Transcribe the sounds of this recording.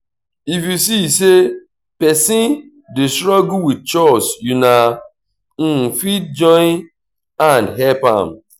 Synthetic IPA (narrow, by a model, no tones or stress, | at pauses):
ifjusise | pɛsi | dɪstɾɔɡuwid̚t͡ʃɔsjuna | fit̚d͡ʒɔ̃ | andɦɛpa̰m̩